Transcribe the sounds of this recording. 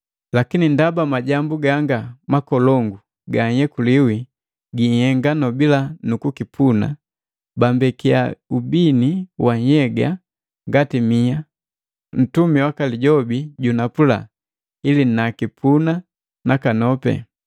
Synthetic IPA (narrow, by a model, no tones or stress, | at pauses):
lakinindabamaɟambuɡaŋɡamakɔlɔŋɡu | ɡaɲhɛkuliwi | ɡihɛŋɡanɔbilanukukipʰuna̰ | bambɛkiaubiniwaɲhɛɡa̰ | ŋɡatimia | n̩tumiwakaliɟɔbiɟunapula̰ | ilinakipʰuna | nakanɔpɛ̰